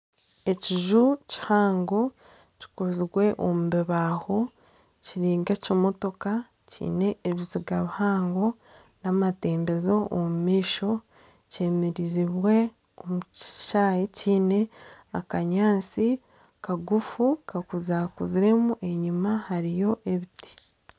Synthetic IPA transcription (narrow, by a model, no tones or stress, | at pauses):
e̞ciʒuci̥haːŋɡo̞ | ci̥kuɾziwe̞ʔomubeβaho̞ | ciɾiːŋɡecimo̞to̞ka | cʰḭːne̞ːβiziɡaβihaːŋɡo̞ | namate̞ːmbe̞zo̞ʔːmumiːʃo̞ | ce̞ːmeɾiziβwe̞ | omuʃaːjeciːne̞akaɲaːnt͡si | kaɡufukakuzakuziɾe̞muʔe̞ɲimahaɾijo̞ʔe̞βitʰi̥